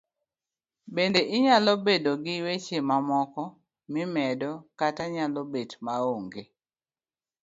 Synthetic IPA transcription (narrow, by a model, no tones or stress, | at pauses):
bendeʔɪɲalɔbedoɡɪwet͡ʃemamɔkɔ | mɪmɛdɔkataɲalobetmaoŋɡe